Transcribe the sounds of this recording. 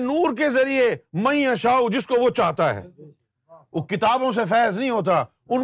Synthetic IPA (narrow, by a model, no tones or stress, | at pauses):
nuːɾk̬ezɐɾiemɐĩãʃaːud͡ʒɪskoʋot͡ʃaːt̪aɦɛ̰ː | oːkɪt̪aːbõs̬efɛːznɐɦĩɦoːt̪̬a | ʊn